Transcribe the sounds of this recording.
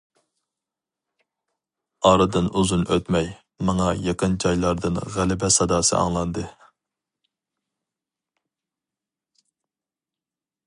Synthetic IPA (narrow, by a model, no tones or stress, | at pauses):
ɑːɾɨd̪ɨnuzunʔøt̪mɛj | mɑŋɑjɑqənd͡ʒɑjlˠɑɾd̪ɨnʁælɪbɛsɑd̪ɑːsɨ̰ʔɑ̰ŋlˠɑnd̪ɨ